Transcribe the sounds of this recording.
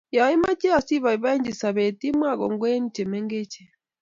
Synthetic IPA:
ja˨˦i˦ma˦t͡ʃɛ˦a˨si˦βa˨i˨βa˦i˦ɲd͡ʒi˨sa˨βɛ˨ti˦mwa˦˨ɣɔ˨ŋɡwɛ˦ni˦t͡ʃɛ˨mɛ˦ŋɡɛ˦t͡ʃɛ˨

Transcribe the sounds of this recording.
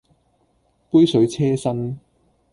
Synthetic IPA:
pu˥jsɵ˨˥ɥt͡sʰɛː˥sɐ˥n

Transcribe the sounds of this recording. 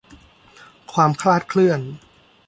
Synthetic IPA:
kʰwaː˧mkʰlaː˥˩t̪̚kʰlɯ˥˩ən

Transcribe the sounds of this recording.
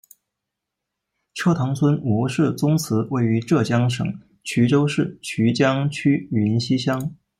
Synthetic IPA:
ʈ͡ʂʰɤ˥˩t̪ʰɑ˧˥ŋt͡sʰwə˥nmwɔ˧˥ʂɻ̩˥˩t͡sʊ˥ŋt͡sʰɹ̩˧˥we˥˩ɪy˧˥ʈ͡ʂɤ˥˩t͡ɕjɑ˥ŋʂɤ̰˨˩˦ŋ | t͡ɕʰy˧˥ʈ͡ʂo˥ʊʂɻ̩˥˩t͡ɕʰy˧˥t͡ɕjɑ˥ŋt͡ɕʰy˥i˧˥nɕi˥ɕjɑ˥ŋ

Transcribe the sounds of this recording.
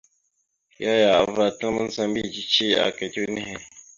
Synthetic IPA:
ja˦ja˨va˨tə˦ŋ˦mə˦n̩˦sa˦mbi˦˨d͡ʒi˦t͡ʃi˦a̰˨ka˨ti˦nɛ˦hɛ˨

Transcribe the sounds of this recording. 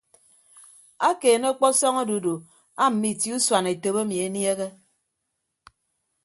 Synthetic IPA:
a˦keː˨no˦k͡pɔ˦sɔ˦ŋo˦du˨˦do˨ | a˦m̩˨mi˦˨ti˦u˦swa˨ne˨to˨be˦mi˨e˦nje˦ɣe˦

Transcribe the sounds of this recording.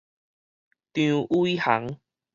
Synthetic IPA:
t̪jũ˨˧˦ʔu˦i˦ha˨˦ŋ

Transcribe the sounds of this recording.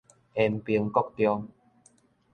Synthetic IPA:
ʔɛ˧mpi˧əŋkɔ˥˩k̚t̪jɔ˧ŋ

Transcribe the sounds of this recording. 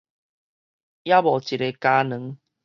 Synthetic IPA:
ja˦bɔ˨˩t͡ɕi˨˩ɾe˧ka˧nə̃˨˦ŋ

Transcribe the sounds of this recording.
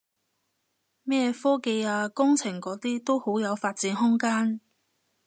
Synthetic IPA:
mɛː˥fɔː˥ke˧jaː˧kʊ˥ŋt͡sʰɪ˨˩ŋkɔː˨˥t̪iː˥t̪o˥who˨˥wjɐ˨˧wfaː˧t̚t͡siː˨˥nɦʊ˥ŋkaː˥n

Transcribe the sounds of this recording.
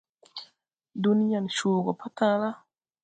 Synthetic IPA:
du˦n˦ja˨nʃuː˨ɡɔ˨pʰa˦tã˦la˦

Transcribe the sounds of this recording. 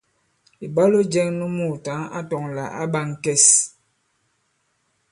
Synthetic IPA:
i˨ba˦lo˦d͡ʒɛ˦ŋnu˦mu˨ta˨˦ŋa̰˦tɔ˨ŋla̰˨ʔa̰˦ba˦ŋ˨kɛ˦˨s

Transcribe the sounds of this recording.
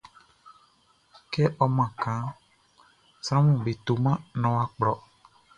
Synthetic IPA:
kɛ˦ʔɔ˦mã˨kã˨˦ | sɾ̃ã˦mũ˨be˨t̪o˨mã˦nɔ̃˨wa˦k͡plɔ˨

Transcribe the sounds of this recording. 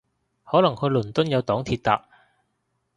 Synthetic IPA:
hɔː˨˥lɐ˨˩ŋhɵ˨˧lɵ˨˩nt̪ʊ˥njɐ˨˧wt̪ɔː˨˥ŋt̪ʰiː˧t̚t̪a̰ː˧k̚

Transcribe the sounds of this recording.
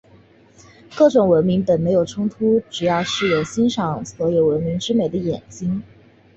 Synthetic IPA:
kɤ˥˩ʈ͡ʂʊ˨˩ŋwə˧˥nmi˧˥ŋpə˨˩nme˧˥ɪjo˨˩ʊʈ͡ʂʰʊ˥ŋt̪ʰu˥ʈ͡ʂɻ̩˨˩jɑ˥˧ʊʂɻ̩˥˩jo˨˩ʊɕi˥nʂɑ˨˩˦ŋswɔ˧˥jo˨˩ʊwə˧˥nmi˧˥ŋʈ͡ʂɻ̩˥me˨˩d̪ə˦jɛ˨˩nt͡ɕi˥ŋ

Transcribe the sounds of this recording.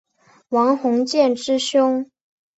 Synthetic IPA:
wɑ˧˥ŋxʊ˧˥ŋt͡ɕjɛ˥˨nʈ͡ʂɻ̩˥ɕjʊ˥ŋ

